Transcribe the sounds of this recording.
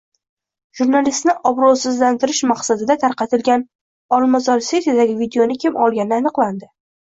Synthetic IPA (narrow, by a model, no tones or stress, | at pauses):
ʒ̥uɾnalist̪nɪʔɒbɾɒsɪzlant̪ʰɪɾɪʃmɑqsad̪ɪd̪at̪ʰaɾqɑt̪ʰɪlɡʲan | ɒlˠmazɒɾse̞t̪jad̪aɡʲɪvid̪eonɪkʲʰɪmʔɒlˠɡʲanɪanɨqlˠand̪ɪ